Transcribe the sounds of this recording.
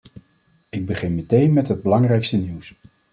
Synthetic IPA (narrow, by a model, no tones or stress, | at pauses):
ɪɡ̚bəχɪnmətejnmɛtɦəd̚bəlɑŋrɛjkstəniws